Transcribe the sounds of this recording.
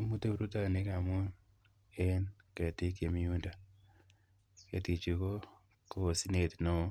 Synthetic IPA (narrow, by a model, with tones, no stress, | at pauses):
mu˦te˦˨ɾu˦ta˦˨ne˦ka˨mu˦n | e˦nke˨ti˦ke˨mi˦u˦nda˨ | kḛ˨ti˨t͡ʃi˨ko˦ | ko˨si˦ne˨tno˦